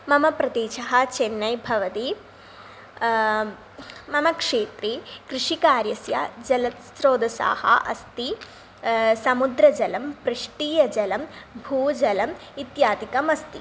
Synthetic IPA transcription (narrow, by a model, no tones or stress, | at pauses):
mɐmɐpɾɐt̪iːʃɐɦɐ̆t͡ʃenːɐjbʱɐʋɐt̪i | mɐmɐkʂeːt̪ɾikɾɪʂikaːɾjɐsjɐd͡ʒɐlɐsɾoːd̪ɐsa̰ːhɐ̰ʔɐ̰st̪i | sɐmud̪ɾɐd͡ʒɐlɐmpɾiʂʈiːjɐd͡ʒɐlɐmbʱuːd͡ʒɐlɐmit̪jaːd̪ikɐmɐst̪i